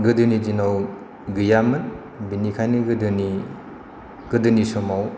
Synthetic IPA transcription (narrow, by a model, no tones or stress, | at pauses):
ɡɯdɯnid͡ʒinaw | ɡɯjamɯn | binikʰajniɡɯdɯni | ɡ̥ɯdɯnisɔmaw